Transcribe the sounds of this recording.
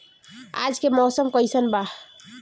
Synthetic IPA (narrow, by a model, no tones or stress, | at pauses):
a̰d͡ʒkemɔsəmkəjsənba